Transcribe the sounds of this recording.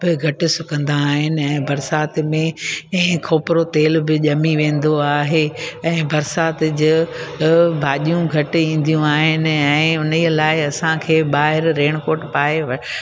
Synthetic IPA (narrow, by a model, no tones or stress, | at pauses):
bɪɡʱɐʈɪ̆sʊkə̃nd̪aɦɪnɪ̆ɛ̃ːbɐɾsaːt̪mẽ | kʰoːpɪɾot̪eːlbɪʄɐmiʋẽːn̆d̪oaːɦeɛ̃ːbɐɾsaːt̪d͡ʑɪ | bʱaːʄijũɡʱɐʈ̆ĩːn̆d̪ʱijũaːɦɪnɪ̆ɛ̃ːʊniəlaːɪɐsãkʰeːɓaːɦɪɾːeːɽ̃koːʈpaːeʋ